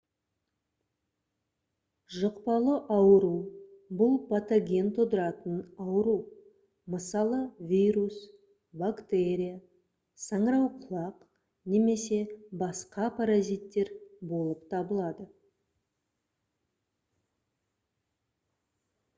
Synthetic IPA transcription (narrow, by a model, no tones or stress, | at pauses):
ʒəqpɑlˠəʔɑwəɾubʊlˠpʰat̪aɡʲe̞nt̪ʰod̪əɾɑt̪ənɑwɾu | məsɑlˠəvʲijɾus | bakt̪e̞ɾʲija | sɑɴɾɑwqʰʊlˠɑq | ne̞me̞se̞bɑsqɑpʰaɾazijt̪ːe̞ɾbo̞lˠəpt̪ʰɑbəlˠɑd̪ə